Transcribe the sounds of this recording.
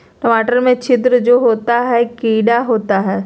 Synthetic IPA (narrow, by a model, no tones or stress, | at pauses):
ʈɔːmaːʈəɾmẽt͡ʃɪt̪ɾəd͡ʒoːɦoːt̪aɦɛkiːɖaɦoːt̪aɦɛː